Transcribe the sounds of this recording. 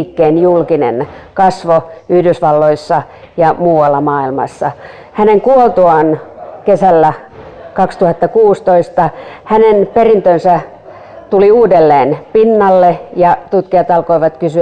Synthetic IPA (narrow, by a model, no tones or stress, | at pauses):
kːeːnjulkinḛnkɑsʋoyhdysʋɑlːoisːɑ | jɑmuːwɑlːɑmɑːilmɑ̰sːɑ | hæneŋkuolt̪uɑnkesælːæ | kɑkst̪uhɑt̪ːɑkuːst̪oist̪ɑhænenperint̪ønsæ | t̪uliuːdelːeːnpinːɑlːejɑt̪ut̪kiɑt̪ɑlkoiʋɑt̪kysy